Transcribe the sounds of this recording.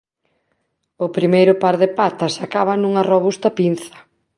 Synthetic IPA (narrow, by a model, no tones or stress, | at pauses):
ʊpɾimejɾʊpaɾðɪpat̪ɐsakaβɐnuŋɐroβ̞ust̪ɐpin̟θɐ̥